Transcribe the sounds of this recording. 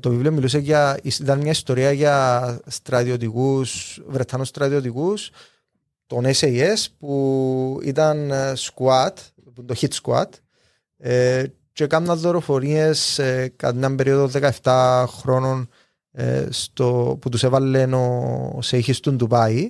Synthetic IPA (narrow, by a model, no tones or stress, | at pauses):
t̪ovivliomilus̬eʝɐisit̪ɐnmɲɐist̪o̞ɾiɐʝɐst̪ɾɐt̪iot̪̬ikusvɾet̪ʰːɐnost̪ɾɐðiot̪ikus | t̪oneseiespuḭt̪ɐnskuɐt̪ | pund̪oçit̪skua̰t̪ | t͡ʃekamnɐðːoɾo̞fo̞ɾie̞skɐ̰t̪iɐmbe̞ɾioðoðekɐeft̪axɾo̞no̞n̰ | st̪oput̪usevɐlːenoseiçist̪und̪upɐi